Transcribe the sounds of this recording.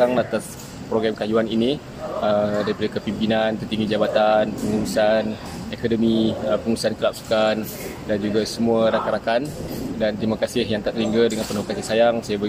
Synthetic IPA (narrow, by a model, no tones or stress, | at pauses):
aŋat̪as | pɾoɡɾamkajuanini | ədaɾipadakəpimpinant̪ət̪inid͡ʒabat̪anpəŋuusan | ekodəmiəpəŋusankəlap̚su̥kan | dand͡ʒuɡasəmuaɾakaɾakandant̪ɾimakasɪhjaŋt̪aʔt̪ɾiŋɡədəŋanpənɦokasisajaŋsajabə